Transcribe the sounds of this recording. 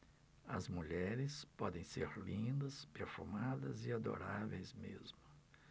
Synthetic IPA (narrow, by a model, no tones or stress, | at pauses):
ɐ̰zmuʎɛɾɪspɔd̪ẽj̃seɾlĩd̪ɐspeɾfumad̪ɐ̰zɪad̪o̰ɾavejzmezmʊ